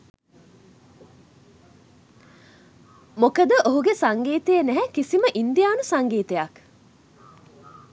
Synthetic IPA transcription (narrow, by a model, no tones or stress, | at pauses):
mokəd̪əʔoɦuɡesaŋɡiːt̪ejənæɦɛkisiməʔind̪ijaːnusaŋɡiːt̪ejak